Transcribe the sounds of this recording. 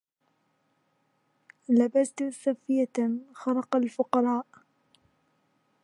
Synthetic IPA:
labast̪safɪjaxɑɾˤɑqɑlfʊqɑɾˤɑːʔ

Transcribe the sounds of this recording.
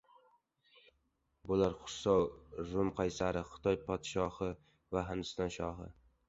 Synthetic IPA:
bʊlaɾχʊ̥sɒwɾʊmqʰajsaɾɪχɨ̥t̪ʰɒjpʰɒd̪ʃɒhɪ | vaɦɪmd̪ɪ̥st̪ɒnʃɒɦɪ̰

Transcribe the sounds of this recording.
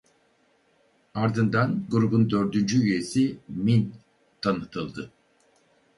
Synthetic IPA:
aɾd̪ɯnd̪anɡuɾubund̪ø̞ɾd̪ynd͡ʒyyje̞simin | t̪ʰanɯt̪ʰɯlˠd̪ɯ

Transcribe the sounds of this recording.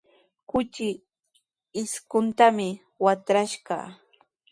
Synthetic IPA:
kʊt͡ʃɪː | skʊnt̪amɪ | wat̪ɾaʃɢɑ̰

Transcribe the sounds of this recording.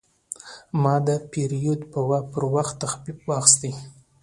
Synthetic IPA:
mɑd̪əpeɾijud̪pəwapəɾwaxt̪ːaxbibwɑxɪ̥st̪əj

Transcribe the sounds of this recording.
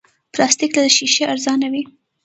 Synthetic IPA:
plɑst̪iklad̪əʃiʃeaɾzɑnawi

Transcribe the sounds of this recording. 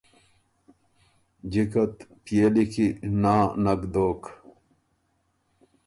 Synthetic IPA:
d͡ʑikɐt̪pjeːlikʰinaːnɐɡd̪oːk

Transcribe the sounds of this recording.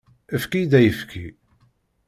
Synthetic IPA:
əfkid̪æjəfkʰḭ

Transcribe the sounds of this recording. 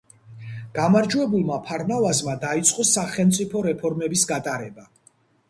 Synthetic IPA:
ɡ̥amaɾd͡ʒwɛbulˠmapʰaɾnavazmad̪ait̪sʼqʼɔsaχɛlˠmt̪sʼipʰɔɾɛpʰɔɾmɛbisɡat̪ʼaɾɛba

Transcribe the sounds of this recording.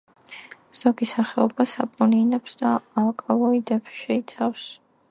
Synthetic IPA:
z̥ɔɡisaχɛɔbasapʼuninɛpsd̪aːlˠkʼalˠɔid̪ɛpʃɛit̪sʰafs

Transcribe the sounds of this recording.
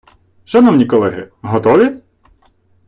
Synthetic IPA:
ʒɐnɔwnʲikɔlˠɛɦɪ̰ɦɔt̪ɔʋʲi

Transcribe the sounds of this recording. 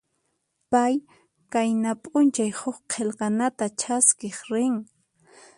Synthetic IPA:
paj | kajnapʼʊnt͡ʃajhʊχqʰelqɑnat̪at͡ʃʰaskeχɾɪŋ

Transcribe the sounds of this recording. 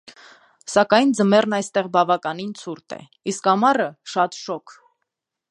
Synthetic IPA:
sɑkɑjnd͡zəmɛɾnɑjst̪ɛʁbɑvɑkɑnint͡sʰuɾt̪ɛ̰ | iskɑmɑrəʃɑt̪ʃɔkʰ

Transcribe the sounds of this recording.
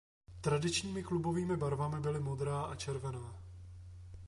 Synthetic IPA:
t̪ɾadɪt͡ʃɲiːmɪklubo̞viːmɪbaɾvamɪbɪlɪmo̞d̪ɾaːʔat͡ʃɛɾvɛnaː

